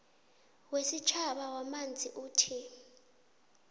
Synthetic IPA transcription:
wesit͡ʃʰaɓawamand͡zʱiʔuːtʰi

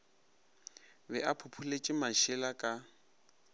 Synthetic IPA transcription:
bɛʔapʰʊpʰulet͡ʃʼɪmaʃɪlakʼa

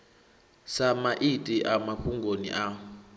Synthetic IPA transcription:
samaʔitʼiʔamaɸuŋɡʱonḭʔa

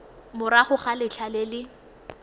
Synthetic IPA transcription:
mʊɾaχʊχalɪt͡ɬʰalelɪ

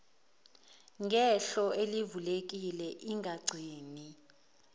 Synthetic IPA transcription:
ŋɡʱɛɬɔelivulek̬ʼilɛʔiŋʱaɡ͡ǀʱiːni

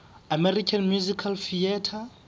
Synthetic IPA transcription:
amɛrikʰanmjuzikʰalfiɛtʰa

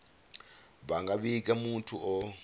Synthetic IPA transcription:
βaŋɡaβikʼɛmutʰuʔɔ

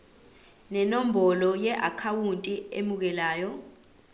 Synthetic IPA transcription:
nɛnom̩bɔlɔjɛʔakʰawuntʼiḛmuk̬ɛlaːjɔ

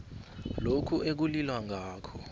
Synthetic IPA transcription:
lokʰuek̬ulilwaŋʱaːkʰɔ̥

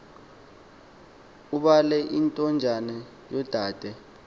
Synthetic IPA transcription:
uɓalɛʔintʼɔnd͡ʒʱanɛ | jɔd̥ʱaːd̥ʱɛ

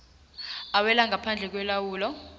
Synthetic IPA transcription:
awɛlaŋɡʱapʰand͡ɮʱɛk̬wɛlawuːlɔ

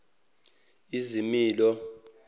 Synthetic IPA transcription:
izimiːlɔ

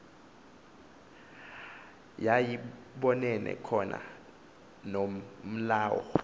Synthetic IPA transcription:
jaji | ɓɔnɛnɛ̰kʰɔnʔa̰ | nom̩laːwɔ̰

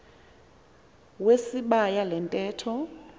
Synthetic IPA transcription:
wesiɓajalɛntʼɛːtʰɔ

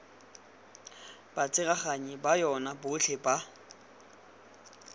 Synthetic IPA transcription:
b̥at͡sʼɪɣaχaɲibajɔnabʊɬʰeba

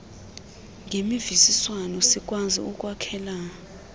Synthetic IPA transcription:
ŋɡʱemivisiswanɔsikʼwazḭukʼwakʰɛːla

